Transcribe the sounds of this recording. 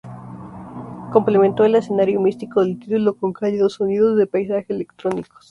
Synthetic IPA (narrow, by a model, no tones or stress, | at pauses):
ko̞mple̞ment̪o̞ele̞se̞naɾjo̞mist̪ikoðelt̪it̪ulo̞ko̞ŋkajeðosoniðozðe̞pajsaxeelekt̪ɾoniko̥